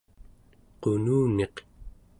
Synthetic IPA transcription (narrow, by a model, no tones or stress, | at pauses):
qonuːne̞q